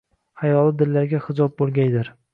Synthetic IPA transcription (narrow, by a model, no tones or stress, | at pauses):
hajɒlɪd̪ɪlːaɾɡʲahɪd͡ʒɒb̚bolˠɡʲajd̪ɪɾ